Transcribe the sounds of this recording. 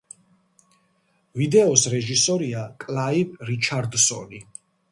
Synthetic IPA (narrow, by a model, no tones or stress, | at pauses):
vid̪ɛɔsɾɛʒisɔɾiakʼlaibɾit͡ʃʰaɾd̪sɔ̰li